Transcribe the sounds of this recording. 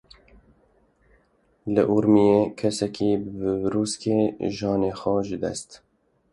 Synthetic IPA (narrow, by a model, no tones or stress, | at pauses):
lɨ̰ʔuɾmijeːkʰɛsɛkiːbbɨvɾuːskeːʒɑːneːxʷɔʒɨd̪ɛ̰st̪